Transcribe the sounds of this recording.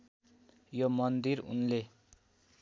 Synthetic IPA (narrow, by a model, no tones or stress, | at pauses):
jomʌnd̪irṵnle